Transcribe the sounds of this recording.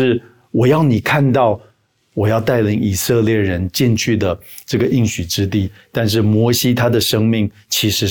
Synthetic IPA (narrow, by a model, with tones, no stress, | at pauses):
ɻ̩˥˩ | wɔ˨˩jɑ˥˩ʊni˨˩kʰa˥˧nt̪ɑ˥˩ʊ | wɔ˨˩jɑ˥˧ʊt̪a˥˩ɪli˧˥ŋi˨˩sɤ˥˧ljɛ˥˩ɻə˧˦nt͡ɕi˥˧nt͡ɕʰy˥˩d̪ə˩ | ʈ͡ʂɤ˥˩ɡə˩ʔi˥˩ŋɕy˨˩ʈ͡ʂɻ̩˥t̪̬i˥˩t̪a˥˧nʂ̬ɻ̩˥˩mwɔ˧˥ɕi˥t̪ʰa˥d̪ə˨ʂɤ˥ŋmi˥˩ŋ | t͡ɕʰi˧˥ʂɻ̩˧˥